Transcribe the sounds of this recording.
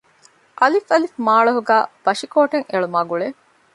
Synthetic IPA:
ʔɐlifɐlifmaːɭɐɦuɡæːb̥ɐʃikoːʈeŋeɭumaːɡuɭe

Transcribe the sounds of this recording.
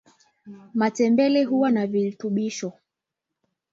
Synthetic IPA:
matɛmbɛlɛɦuwanavilituɓiʃɔ

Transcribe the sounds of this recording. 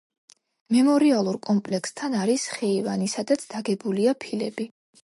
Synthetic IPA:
mɛmɔɾialˠuɾkʼɔmpʼlɛkst̪ʰanaɾisχɛivanisad̪at̪sʰd̪̥aɡɛbuliapʰilɛbi

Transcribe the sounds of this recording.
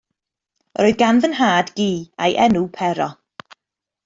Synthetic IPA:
ɾoːɨðɡanvənɦaːdɡiːa̰jʔɛnupʰɛɾɔ

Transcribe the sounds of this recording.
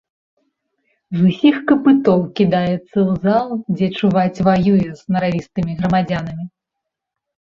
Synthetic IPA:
zusʲixkɐpɨt̪ɔwkʲid̪ajɛt̪sːɐwzalˠd͡zʲɛt͡ʂuvat͡sʲvajujɛz̥nɐɾavʲist̪ɨmʲiɣɾɐmad͡zʲanɐmʲi

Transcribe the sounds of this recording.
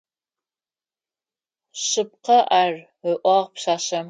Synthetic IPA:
ɕɪp̚qɐʔaːr | əʔʷɑːʁpɕaːɕɐm

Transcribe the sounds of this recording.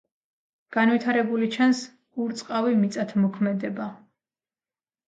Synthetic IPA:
ɡ̥anvit̪ʰaɾɛbulit͡ʃʰans | uɾt̪sʼqʼavimit̪sʼat̪ʰmɔkʰmɛd̪ɛba

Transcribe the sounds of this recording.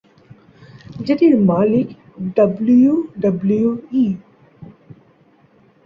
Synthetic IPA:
d͡ʒɐʈ̪iɾmaːlɪk | ɖɐbljuɖɐbljuiː

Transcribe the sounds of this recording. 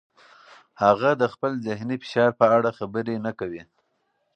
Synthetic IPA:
haɣad̪əxpəlzɪhnifɪ̥ʃɑɾpəaɽaxabəɾenakawi

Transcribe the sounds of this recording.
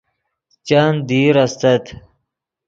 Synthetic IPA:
t͡ɕaːnd̪iːɾɐst̪ɐt̪

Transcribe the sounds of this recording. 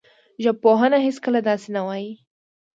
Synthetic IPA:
ʒab̚poɦənaɦeskəlad̪ɑsenawɑji

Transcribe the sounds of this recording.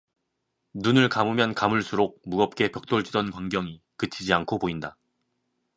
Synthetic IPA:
nunɯɭkamumjʌnkamuɭs͈ʰuɾok̚muɡʌp̚k͈e̞pjʌk̚t͈oɭd͡ʑidʌnkwaŋɡjʌŋi | kɯt͡ɕʰid͡ʑiankʰopoinda

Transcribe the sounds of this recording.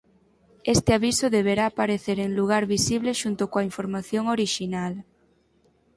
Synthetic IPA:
est̪ɪaβisʊðeβ̞eɾaːpaɾeθeɾeŋluɣ̞aɾβisiβleʃunt̪ʊkoaiɱfoɾmaθjoŋoɾiʃinal

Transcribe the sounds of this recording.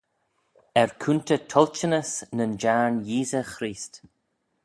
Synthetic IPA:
ɛɹkʰuntətʰɔlt͡ʃənəsnənd͡ʒaɹnjiːzəxɾiːst

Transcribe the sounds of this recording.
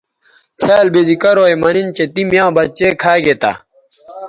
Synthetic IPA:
t͡ɕʰaːlbed͡ʑikɐɾoːjmɐnint͡ɕet̪imjãːbɐt͡ɕeːkʰaːɡet̪a̰ː

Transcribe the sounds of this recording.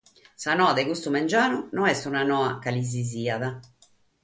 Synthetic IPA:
sanɔːaðɛkust̪umɛnd͡ʒaːnunɔɛst̪unanɔːakaliz̬iziːaða

